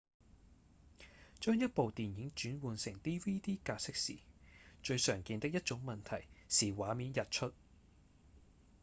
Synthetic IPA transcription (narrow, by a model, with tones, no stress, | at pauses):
t͡ʃœː˥ŋjɐ˥t̚po˨wt̪iː˨njɪ˨˥ŋt͡ʃyː˨˥nwuː˨˧nsɪ˨˩ŋt̪iː˥wiː˥t̪iː˥kaː˧sɪ˥k̚sḭː˨˩t͡ʃɵ˧ɥsœː˨˩ŋkiː˧nt̪ɪ˥k̚jɐ˥t̚t͡ʃʊ˨˥ŋmɐ˨nt̪ʰɐ˨˩jsiː˨˩waː˨˧miː˨˥njɐ˨t̚t͡ʃʰɵ˥t̚